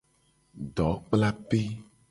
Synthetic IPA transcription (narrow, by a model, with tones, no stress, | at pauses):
ɖɔ˨˦k͡pla˦pe˦